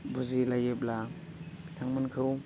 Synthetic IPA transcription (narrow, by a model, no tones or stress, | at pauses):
buzilajepla | bitʰaŋmɯnkʰɯw